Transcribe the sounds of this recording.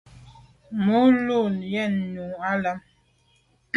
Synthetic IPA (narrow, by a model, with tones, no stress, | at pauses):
mu˦lu˦˨ljɛ˦˨nːu˨a˦la˦m